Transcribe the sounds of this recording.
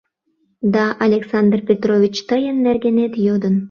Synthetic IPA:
d̪ɑʔɐlʲeksand̪rpʲet̪rovʲit͡ɕt̪ɤjənːærɡʲenet̪jod̪ə̆n

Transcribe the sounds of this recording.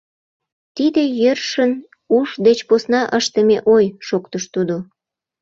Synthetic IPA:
t̪id̪ejørʃən | uʃd̪et͡ɕposnɑʔəʃt̪əmeʔojʃokt̪əʃt̪ud̪o

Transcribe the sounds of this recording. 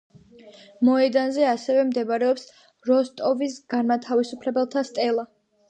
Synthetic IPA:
mɔɛd̪anzɛasɛvɛmd̪ɛbaɾɛɔps | ɾɔst̪ʼɔvisɡaɾmat̪ʰavisupʰlɛbɛlˠt̪ʰast̪ʼɛlˠa

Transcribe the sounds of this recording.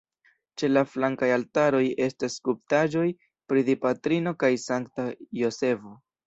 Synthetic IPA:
t͡ʃe̞laflaŋkajaltaɾo̞je̞staskup̚taʒo̞j | pɾidipatɾino̞kajsaŋktajo̞se̞vo

